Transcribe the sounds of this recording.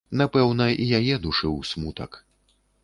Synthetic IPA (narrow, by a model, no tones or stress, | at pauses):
napɛwnɐʔijajɛd̪uʂɨwsʲmut̪ɐ̰k